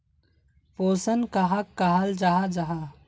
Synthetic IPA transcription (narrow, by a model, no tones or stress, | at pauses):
poːsənkaɦakːaɦald͡ʒaɦad͡ʒaɦa